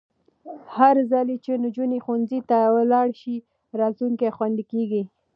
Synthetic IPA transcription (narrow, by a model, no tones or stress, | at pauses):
haɾzalet͡ʃend͡ʒunexunzit̪awlɑɽʃi | ɾɑt̪luŋkexwand̪ikeɡi